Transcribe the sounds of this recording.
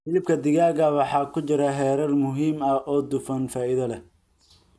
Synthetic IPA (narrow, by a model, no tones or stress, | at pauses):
fɪlɪb̚kʰɐd̪ɪɣaːɣɐwɑħɑːkʰʊt͡ʃɪɾɐɦɛːɾɐlmʊɦiːmɐʔɔːd̪ʊfɐnfaːɪðɐlɛ